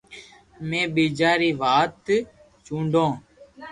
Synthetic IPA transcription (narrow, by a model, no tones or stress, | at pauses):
mẽːɓiːd͡ʒaːɾiːʋaːt̪ | t͡ʃũːɳɖʱõː